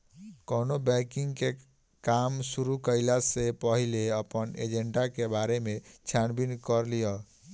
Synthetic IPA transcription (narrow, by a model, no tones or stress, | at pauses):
kɔnobɛkiŋɡke | kamsuɾukəjlasepəɦileəpənḛd͡ʒeɳɖakebaɾemet͡ʃʰjanbinkəɾlijɔ